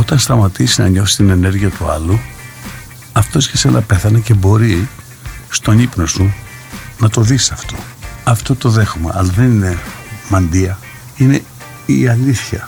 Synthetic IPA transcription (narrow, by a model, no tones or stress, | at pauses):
o̞t̪ɐnst̪ɐmɐt̪isinɐɲo̞fsi̥t̪ine̞ne̞ɾʝiɐt̪uɐlu | ɐft̪o̞scesenʔɐpe̞θɐnece̞bo̞ɾi | st̪o̞nipno̞su | nɐt̪o̞ðisiɐft̪o̞ | ɐft̪o̞t̪o̞ðe̞xume̞̰ʔɐlɐðe̞nine̞mɐnd̪iɐ | ine̞ | iɐliθçɐ